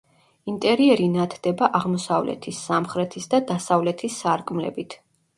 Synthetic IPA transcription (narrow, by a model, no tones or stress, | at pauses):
int̪ʼɛɾiɛɾinat̪ʰd̪̥ɛbaʔaʁmɔsavlɛ̰t̪ʰisːamχɾɛt̪ʰisd̪ad̪asavlɛt̪ʰisːaɾkʼmlɛ̰bit̪ʰ